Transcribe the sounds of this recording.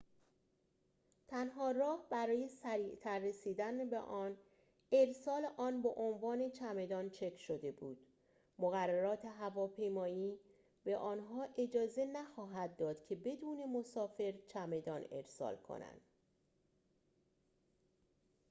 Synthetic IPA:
t̪ʰænɦɒːrɒːhbæɾɒːje̞sæɾiːʔt̪ʰæɾːe̞siːd̪ænbḛʔɒːn | e̞ɾsɒːleʔɒːnbeʔonvɒːne̞t͡ʃʰæme̞d̪ɒːnt͡ʃʰe̞kʰʃod̪e̞bṵːd̪̥ | moɣærːæɾɒːt̪ʰe̞ɦævɒːpʰe̞jmɒːjiː | b̥e̞ʔɒːnɦɒːʔe̞d͡ʒɒːze̞næxɒːɦæd̪̚ːɒːd̪̥cʰe̞be̞d̪uːne̞mo̞sɒːfe̞ɾt͡ʃʰæme̞d̪ɒːne̞̰ɾsɒ̰ːlkʰo̰næ̰nd̪̥

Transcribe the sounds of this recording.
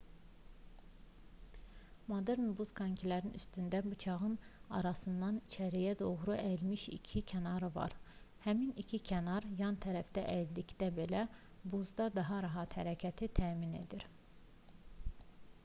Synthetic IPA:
mod̪eɾnbuz̥kʰɑɲcʰilæɾiny̰st̪ynd̪æbut͡ʃʰɑʁɯnɑ̰ɾɑsɯnd̪ɑnit͡ʃʰæɾijæd̪o̞ɣɾuælmiʃḭcʰicʰænɑɾɯvɑ̰ɾ | hæminicʰicʰænɑɾjɑnt̪ʰæɾæfd̪æʔæld̪icd̪æbe̞læ | buzd̪ɑd̪ɑɦɑɾɑɦɑt̪hæɾæcʰæt̪ʰit̪ʰæːmine̞̰d̪iɾ

